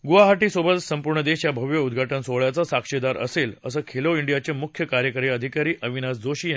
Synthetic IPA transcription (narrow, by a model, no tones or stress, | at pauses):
ɡuʋaɦaʈiːsobət̪səmpuɾɳəd̪eɕjabʱəʋjəud̪ɡʱaʈənsoʋɭjat͡sasakʂed̪aɾə̰seləsəkʰeloiɳɖijat͡ɕemukʰjəkaɾjəkəɾeəd̪ʱikaɾiːʔəʋinasd͡zoɕiː